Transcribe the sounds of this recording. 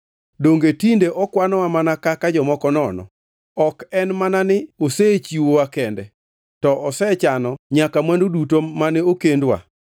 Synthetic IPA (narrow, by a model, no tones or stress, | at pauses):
doŋɡetindeʔɔkwanɔwamanakakad͡ʒɔmɔkɔnɔnɔ̰ | ɔkɛnmananɪoset͡ʃiwowakɛndɛ | tɔʔɔsɛt͡ʃanɔɲakamandodutomanɛokendwa̰